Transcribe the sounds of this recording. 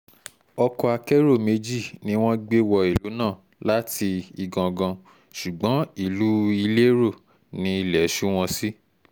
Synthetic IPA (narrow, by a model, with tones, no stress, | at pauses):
ɔ˧kɔ˧a˧kɛ˦ɾo˦˨me˧d͡ʒi˦˨nĩ˧˦w̃ɔ̃˦ɡ͡be˦wɔ˧i˨lu˨˦nãː˦˨ | la˨˦ti˧i˧ɡã˧ɡã˧ | ʃu˨ɡ͡bɔ̃˨˦i˦˨lu˨˦i˧le˦ɾo˦˨ | nĩ˧˦i˧˨lɛ˨˦ʃu˦w̃ɔ̃˧si˦